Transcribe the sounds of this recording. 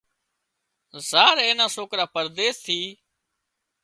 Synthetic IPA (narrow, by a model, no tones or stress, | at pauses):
zaːɾẽːnãːsoːkɾaːpəɾd̪eːst̪ʰiː